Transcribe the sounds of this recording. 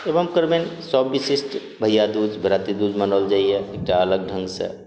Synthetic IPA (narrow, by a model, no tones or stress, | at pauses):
ebəmkəɾmẽnsɔːbːisisʈ | bʱəjːad̪uːd͡ʒbʱɾaːt̪id̪uːd͡ʒmənəld͡ʒaːijeek̚ʈaələɡ̚ɖʱə̃ŋɡsḛ